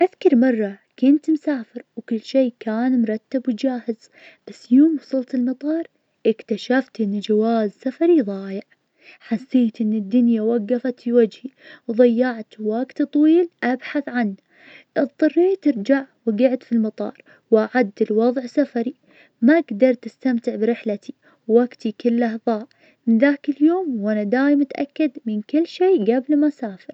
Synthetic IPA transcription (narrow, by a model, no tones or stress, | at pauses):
ʔaðkɑɾˤmɑrˤːɑkʊnt̪msaːfɪɾwkʊlːʃeːkaːnmʊɾˤɑt̪ːabwɪd͡ʒaːhɪz̥ | b̥asːjoːmwɑsˤɑlt̪ɪlmɑt̪ˤɑːɾˤ | ʔɪkt̪aʃaft̪ʔɪnːd͡ʒawaːzsafɑɾiðˤɑːjɪʕ | ħasːeːt̪ʔɪnːɪd̪ːʊnjawaɡːafat̪fiwad͡ʒhiwðˤɑjːaʕt̪waɡt̪ɨt̪ˤwiːlʔabħaθʕanː | ʔɨt̪ˤːɑrːiːt̪ɪɾd͡ʒaʕwɪɡɪʕt̪filmɑt̪ˤɑ̰ːɾˤ | wʔaʕad̪ːɪlwɑðˤʕsafaɾi | maɡd̪ɑɾˤt̪ɪst̪amt̪ɪʕbɪɾɪħlat̪ʰi | wːaɡt̪ikɪlːʔahðˤɑːʕ | mɪnðaːkɪljoːmwʔanad̪aːjɪmat̪ʔa̰kːad̪mɪnkɪlːʃeːɡablmasaːfɪɾ